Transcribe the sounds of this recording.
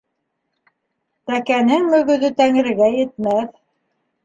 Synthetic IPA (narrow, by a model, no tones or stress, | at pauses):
t̪ækænɘŋmɵ̆ɣɵ̆ðɵt̪æŋɘ̆ɾɘ̆ɡæjɘ̆t̪̚mæθ